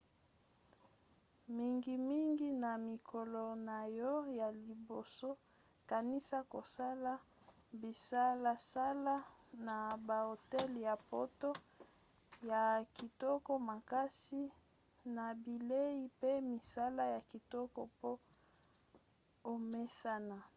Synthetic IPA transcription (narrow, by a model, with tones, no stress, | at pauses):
mi˦ŋɡi˦mi˦ŋɡi˦na˨mi˨kʰɔ˨lɔ˨na˨jɔ˦ja˨li˨bo˨so˦ | ka˨ni˦sa˦ko˨sa˦la˦ | bi˨sa˦la˦sa˦la˦na˨ba˨o˨tɛ˦lja˨po˦to˦ | ja˨ki˨tɔ˦kɔ˦ma˨ka˦si˦ | na˨bi˨le˦i˦pe˦mi˨sa˦la˦ja˨ki˨tɔ˦kɔ˦po˦ | o˨me˦sa˦na˨